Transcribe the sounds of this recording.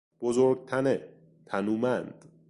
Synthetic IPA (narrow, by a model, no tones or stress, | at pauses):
b̥ozoɾɡ̚t̪ʰæne | t̪ʰænuːmænd̪̥